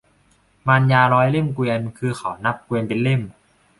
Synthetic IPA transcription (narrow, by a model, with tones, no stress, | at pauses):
maː˧njaː˧ɾɔː˦˥jle˥˩mkwi˧ənkʰɯː˧xʰa˨˩wna˦˥p̚kwi˧ənpe˧nle˥˩m